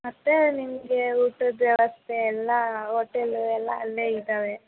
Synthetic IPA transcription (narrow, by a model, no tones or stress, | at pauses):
mɐt̪ːenimɐɡeuːʈɐd̪ʋjɐʋɐst̪ʰeːlːɐɦoːʈeluɛlːɐːlːeːid̪aːʋe